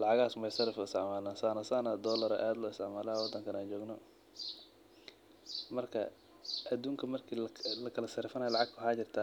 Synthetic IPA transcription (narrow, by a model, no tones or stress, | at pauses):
lɑʕɑɣaːsmɛjsɐrɐfɔɪsɛʕmaːlaːnsanɐsaːnad̪ɔːlɐɾɔ̰ʔaːd̪lɔɪst̪ɪʕmaːlaːwɐd̪ːɐŋkʰɐnaːnt͡ʃɔːɡnɔ | mɐrkʰɐ̰ | ʔɐd̪uːŋkʰɐmɐrkʰiːlɐkʰɐlɐsɐɾɪfɐnaːjɐlɑʕɑɡ̚t̪ʰʊħaːt͡ʃɪrt̪ʰaː